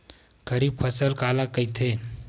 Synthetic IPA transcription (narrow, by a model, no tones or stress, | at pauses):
kʰəɾiːbfʰəsəlkalakəjt̪ʰe